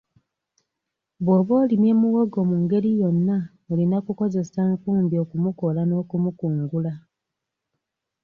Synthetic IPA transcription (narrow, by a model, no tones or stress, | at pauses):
βoːβo̞ːlimje̞ːmuɣoɡo̞muːŋɡe̞ɾijo̞nːa | olinakuko̞ze̞saŋkuːmbjo̞ːkumuko̞lano̞ːkumukuːŋɡula